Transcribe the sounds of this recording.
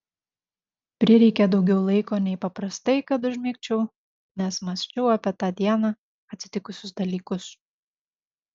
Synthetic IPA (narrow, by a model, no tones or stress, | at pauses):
pʲɾʲɪɾʲɛɪkʲɛd̪ɒʊɡʲɛʊlˠɐɪkoːnʲɛɪpɐpɾɐst̪ɐɪkɐt̪ʊʒʲmʲiːkt͡ʃʲɛʊ | nʲɛsmɐsʲt͡ʃʲɛʊɐpʲɛt̪ɑːd̪ʲiɛnɑ | ɐt̪ʲsʲɪ̥t̪ʲɪkʊsʲʊsd̪ɐlʲiːkʊs